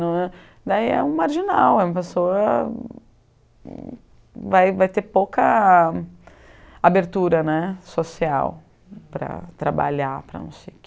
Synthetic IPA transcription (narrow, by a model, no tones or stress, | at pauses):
nɐ̃ɛ | d̪aiɛ̰ũmaɾʒinawɛũmɐpesoɐ | vajvajt̪eɾpowkɐ | abeɾt̪uɾɐnɛsosia̰w | pɾɐ̰t̪ɾaba̰ʎapɾɐ̰nɐ̰̃w̃sejk